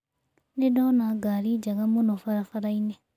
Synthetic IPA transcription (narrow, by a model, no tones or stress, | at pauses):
nedɔnaɡaɾid͡ʒaɣamunofaɾafaɾaine